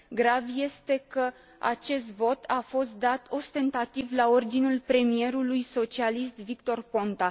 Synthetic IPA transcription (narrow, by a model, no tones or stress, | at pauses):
ɡɾavje̞st̪e̞kə | a̰t͡ʃe̞st̪vo̞t̪ʰafo̞st̪̚d̪at̪ʰo̞st̪e̞nt̪at̪ivlao̞rd̪inulpɾe̞mie̞ɾulujso̞t͡ʃialist̪vikt̪o̞rpo̞nt̪a